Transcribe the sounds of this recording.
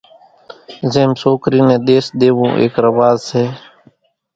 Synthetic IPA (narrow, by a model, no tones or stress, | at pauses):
zeːmsoːkɾiːnẽːɗ̪eːsɗ̪eːʋõːʔḛːkɾəʋaːzseː